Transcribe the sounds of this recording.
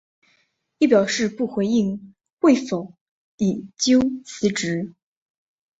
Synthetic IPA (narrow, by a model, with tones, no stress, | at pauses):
i˥˩pjɑ˨˩ʊʂɻ̩˥˧pu˥˩xwe˧˥ɪi˥˧ŋ | we˥˩ɪfo˨˩˦ʊ | i˨˩t͡ɕjo˥ʊt͡sʰɹ̩˧˥ʈ͡ʂɻ̩˧˥